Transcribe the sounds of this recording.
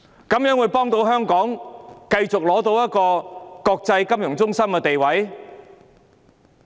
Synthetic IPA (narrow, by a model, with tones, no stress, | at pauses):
kɐ˨˥mjœː˨˥ŋwuː˨˧jpɔː˥ŋt̪o˧wɦœː˥ŋkɔː˨˥ŋkɐ˧jt͡sʊ˨k̚lɔː˨˥t̪o˧wjɐ˥t̚kɔː˧kɔː˧k̚t͡sɐ˧jkɐ˥mjʊ˨˩ŋt͡sʊ˥ŋsɐ˥mkɛː˧t̪e˨jwɐ˨˥j